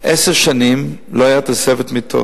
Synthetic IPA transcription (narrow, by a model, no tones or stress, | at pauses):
ʔeseʁʃanimloajat̪asevetmit̪ʰo̰